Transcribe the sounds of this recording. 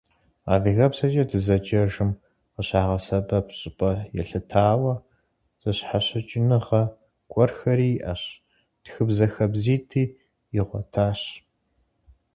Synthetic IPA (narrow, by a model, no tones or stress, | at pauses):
a̰ːðɨɣɐpsɐt͡ʃʼɐdɨzɐt͡ʃʼɐʒɨm | qəɕaːʁɐsɐbɐpɕʼɪpʼɐjɛ̰ɬɨtʰaːwɐ | z̥ɐɕħaɕɪt͡ʃʼɪnɨʁɐ | kʷʼɔrxɐɾiːʔɐ̰ɕ | d̥xɨbzɐxɐbziːtʰiː | ɪʁʷɔ̰tʰaːɕ